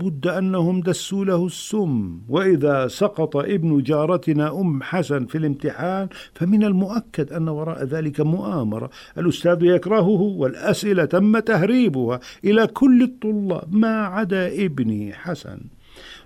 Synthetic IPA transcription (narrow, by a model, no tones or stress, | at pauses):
bʊd̪ːʔanːahʊmd̪asːuːlahʊsːʊmːwɪʔɪðasˤɑqɑt̪ˤɑʔɪbnʊd͡ʒɑːɾˤɑt̪naʔʊmːħasanfilɪmt̪ɪħaːnfamɪnalmʊʔakːad̪ʔanːawɑɾˤɑ̰ːʔðaːlɪkamʊʔaːmɑ̰ɾˤɑ̰ | ʔalʔʊst̪aːðjakɾˤɑɦʊhwɪlʔasʔɪlat̪amːat̪ahɾiːbʊhaʔɪlakʰʊlːɨt̪ˤːʊlːɑ̰ːbmaʕad̪aːʔɪbniħasa̰n